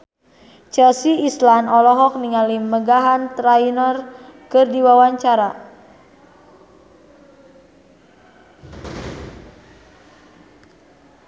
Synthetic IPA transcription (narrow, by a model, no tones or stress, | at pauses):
t͡ʃɛlsiːslanɔlɔɦɔk̚niŋaliməɡaɦant̪ɾainɔrkɨrdiwawaɲt͡ʃaɾa